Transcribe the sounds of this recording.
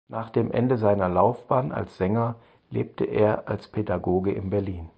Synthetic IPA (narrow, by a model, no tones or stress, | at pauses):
naːχd̥eːmʔɛ̰ndəzaɪnɐlaʊfb̥aːna̰lsz̥ɛŋɐ | lḛːp̚tʰəʔḛːɐʔalspʰedaɡoːɡəʔɪ̰nbɛɐliːn